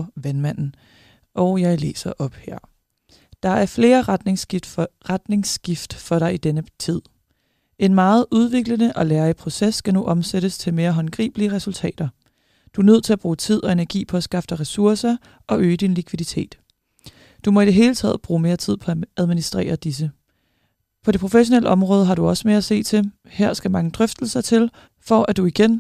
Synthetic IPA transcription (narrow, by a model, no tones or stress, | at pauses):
ʋænmæn̰n̩ | ʔɒʊjɑ̈ɪle̝̰ːsɐʔɒ̽b̥heɐ̰ | d̥ɑ̈æɐfle̝ːɐʁd̥neŋʁad̥ne̝ŋsɡ̥ifd̥fɒ̽ɾɑ̈ɪid̥enət͡sʰið̞̰ˠ | ʔe̝nmɑ̈ːð̞̩ˠʔuð̞ˠʋe̝ɡ̥lənəʔɒ̽læːɐipʰʁo̝sesːɡ̥ænuʔɒ̽mseɾəst͡sʰe̝lme̝ːɐɦɒ̽nɡ̥ʁḭːb̥əliəʁɛsult͡sʰɛ̰ːd̥ɐ | d̥uænøð̞̰ˠt͡sʰe̝æb̥ʁuːt͡sʰið̰ˠɒ̽e̝næɐɡ̥ḭːpʰɒ̽æsɡ̥ɑ̈fd̥əʁɛsuɐsɐ | ɒ̽øːəd̥inlikʰʋiðˠit͡sʰe̝̰ːd̥ | d̥umɒ̽id̥eɦe̝ːlət͡sʰɛ̰ːð̰ˠb̥ʁuːme̝ːɐt͡sʰið̰ˠpʰɒ̽ææð̞ˠminisd̥ʁḛːɐd̥is̬ə | pʰɒ̽ɾ̥e̝pʰʁo̝feɕo̝nelʔəɒ̽mʁɔːð̞ˠɦɑ̈ɾuɒ̽səmeæse̝̰ːt͡sʰe̝ | hæɐ̰sɡ̥æmɑ̈ŋəd̥ʁœfd̥l̩sɐt͡sʰe̝l | fɒ̽ʔæd̥uiɡ̥en